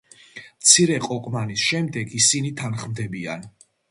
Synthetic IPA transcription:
mt̪sʰiɾɛqʼɔqʼmanisʃɛmd̪ɛɡisinit̪ʰanχmd̪ɛbia̰n

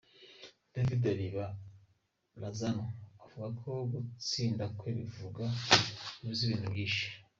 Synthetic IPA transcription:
d̥avidaβiβa | lazanoavuɡakʰoɡut͡siːndakweβivuɡaibjiβiːn̥ubjiːʃḁ

